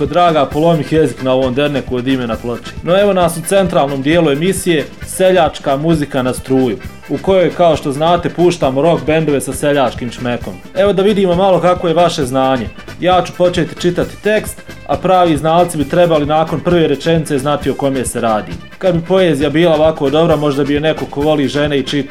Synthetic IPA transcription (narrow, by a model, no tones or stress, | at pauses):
od̪ɾaːɡaːpo̞lˠo̞mixjeziknao̞ʋoːmd̪e̞ɾnekuod̪imenaplˠo̞t͡ɕi̥no̞e̞ʋo̞naːsut̪se̞nt̪ɾaːlˠnoːmd̪jeːlue̞misije̞se̞ʎaːt͡ʃkaːmuzikanast̪ɾuːju | uko̞jo̞jkao̞ʃt̪o̞znaːt̪e̞puːʃt̪aːmoɾo̞kbe̞nd̪o̞ʋe̞sase̞ʎaːt͡ʃkiːmʃmeko̞̰m | e̞ʋo̞d̪aʋid̪iːmo̞malˠo̞kakʋo̞jeʋaʃe̞znaːɲe̞ | jaːt͡ɕu̥po̞t͡ʃeːt̪i̥t͡ʃit̪at̪i̥t̪e̞kst̪ | a̰pɾaːʋiːznaːlˠt̪sibit̪ɾe̞balinaːko̞npr̩ʋeːɾe̞t͡ʃe̞nit̪se̞znat̪ioko̞meːse̞ɾaːd̪ḭ | kad̪bipo̞e̞ːzijabiːlaoʋako̞d̪o̞bɾamo̞ʒd̪abijene̞ko̞ko̞ʋo̞liːʒe̞neit͡ʃit̪